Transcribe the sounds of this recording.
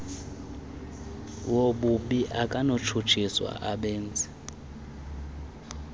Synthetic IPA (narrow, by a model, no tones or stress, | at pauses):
woɓuɓiʔakʼanot͡ʃʰut͡ʃʰiswa̰ʔaɓɛːnd͡zʱʼɛ